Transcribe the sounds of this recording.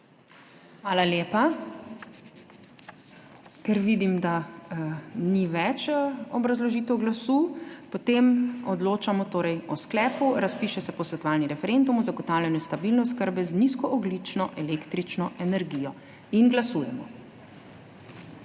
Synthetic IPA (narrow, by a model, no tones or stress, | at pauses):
xʋaːlaljeːpa | kɛɾʋid̪imd̪a | niʋɛt͡ʃɔbɾazlɔʒiːt̪ɛwɡlasuːpɔt̪emɔd̪loːt͡ʃamɔt̪oːɾɛjɔsklɛːpuɾaspiːʃɛsɛpɔsʋɛt̪ɔʋaːlniɾɛfɛɾend̪umɔzaɡɔt̪aːwljanjɛst̪abilnɛskəɾbɛzniskɔʔɔɡlit͡ʃnɔʔɛlekt̪ɾit͡ʃnɔʔɛnɛɾɡijɔ | inɡlasuːjɛmɔ